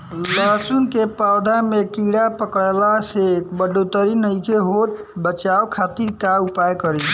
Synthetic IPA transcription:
ləsunkepawd̪ʱamekiɽapəkəlasekbəɖot̪əɾinəjkeɦoʈ̚bət͡ʃaokʰat̪iɾkaupajkəɾi

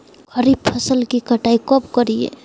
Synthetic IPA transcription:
ɡʱʌɾib̚pʰʌsəlkikəʈajkɔbkɔɾijḛ

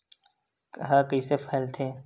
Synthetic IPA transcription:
ɦaːkiːsefʰəːlt̪ʰeː

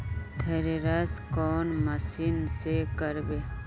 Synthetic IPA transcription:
t̪ʰeɾeɾaskɔːnmɐsinsekəɾbeː

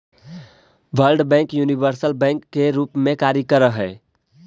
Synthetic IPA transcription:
ʋəlɖbɛ̃ːŋkjuniʋəɾsəlbɛ̃ŋkːeɾuːpmẽkaːɾjəkəɾəɦɛː

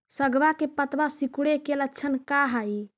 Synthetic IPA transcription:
səɡbakepət̪basikuɽekelətːt͡ʃʰənkaɦaji

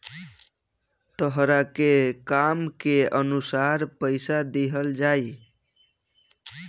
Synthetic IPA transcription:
t̪əɦɾakekamkeənusaɾpəɪsad̪eɦəld͡ʒaj

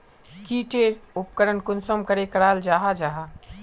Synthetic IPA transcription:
kiʈeɾupkəɾənkunsɔmkəɾekəɾald͡ʒaɦad͡ʒaɦa

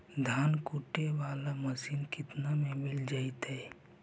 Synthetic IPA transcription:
d̪ʱaːnkuʈːeʋaːlamɐsiːnkɪt̪namẽmɪld͡ʒaːit̪ɦɛː

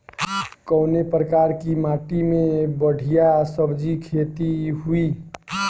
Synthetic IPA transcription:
kəʊnepɾəkaːɾkimaːʈimẽbəɽ̤ʱijasəbd͡ʒikʰet̪iɦui

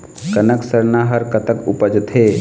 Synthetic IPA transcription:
kənəksəɾnaɦəɾkət̪əkupəd͡ʒt̪ʰe

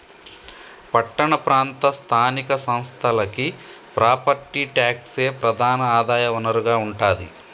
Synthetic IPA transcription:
pɐʈːɐɳɐpɾaːnt̪ɐst̪ʰaːnikɐsɐ̃w̃st̪ʰɐlɐki | pɾaːpɐɾt̪iʈjaːkse̞ːpɾɐd̪ʱaːnɐaːd̪aːjɐʋɐnɐɾuɡaːuɳʈaːd̪ḭ

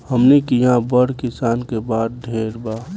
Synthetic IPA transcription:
həmnekijãbəɽ̤kɪsaːnkebaːd̪̚ɖʱeːɾbaː

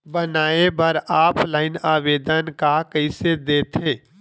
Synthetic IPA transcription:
bənaːebʱəɾaːpʰlaːɪnaːʋeːd̪ənkakəɪsed̪eːt̪ʰeː

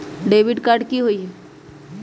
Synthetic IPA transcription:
ɖeːʋɪɖkaːɾɖkiɦoiɦɛ

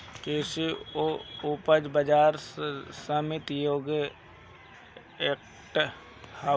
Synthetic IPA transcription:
keːsioʊpəd͡ʒbəd͡ʒaːɾsəmɪt̪joːɡe | ek | ʈ | ha

